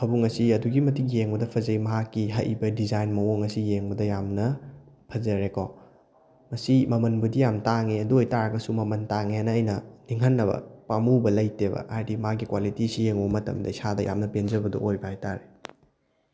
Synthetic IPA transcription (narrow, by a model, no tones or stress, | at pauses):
hɐbuŋɐsiɐduɡimɐtikjeŋbɐdɐpʰɐzɐimɐɦakːiɦɐ̰ʔḭbɐdizajnmɐoŋɐsijeŋbɐdɐjamnɐ | pʰɐzɐɾekɔ | mɐsimɐmɐnbudijamtaŋeɐduojtaɾɐɡɐsumɐmɐntaŋeanɐːjnɐniŋɦɐnːɐbɐ̰pamubɐlɐjtebɐ̰ʔajdimɐakːikwalitisijeŋubɐmɐtɐ̰mdɐisadɐ̰ja̰mnɐpend͡ʒɐbɐdɐ̰ʔojbɐhajtaɾe